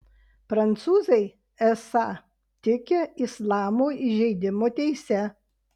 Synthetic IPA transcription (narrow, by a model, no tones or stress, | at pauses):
pɾɐnt̪suːzɐɪ | ɛsɑ | t̪ʲɪkʲeɪslˠɑːmoːɪʒʲɛɪd̪ʲɪmoːt̪ʲɛɪsʲɛ